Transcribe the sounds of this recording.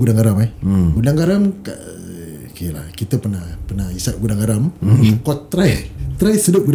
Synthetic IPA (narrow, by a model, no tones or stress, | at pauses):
ɡudaŋɡaɾamɛhɡudaŋɡaɾamkaʔ | kela̰hkit̪əpənapənaisat̪̚ɡudaŋɡaɾamkɔt̪ːɾajt̪ɾajsədəp̚ɡud